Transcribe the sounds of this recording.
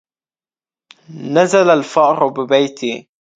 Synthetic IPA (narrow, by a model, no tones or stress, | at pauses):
nazalalfɑʔɾʊbɪbajt̪ɪ